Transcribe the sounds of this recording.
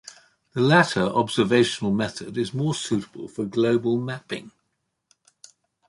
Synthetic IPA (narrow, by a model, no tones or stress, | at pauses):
ðəlatʰəɹɒbz̥əveɪʃənəlˠmɛθədɪzmɔːsʉˑtə̥b̥ə̰lˠfəɡləʊbəlˠmapɪ̰̃ŋ